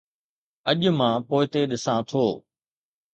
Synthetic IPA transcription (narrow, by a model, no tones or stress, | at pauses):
ɐʄʊmãpoːɪt̪eɗɪsãt̪ʰoː